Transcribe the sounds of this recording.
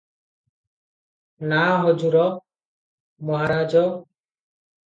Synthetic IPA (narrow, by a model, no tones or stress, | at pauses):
naɦɔd͡ʒuɾɔ | mɔɦaɾad͡ʒɔ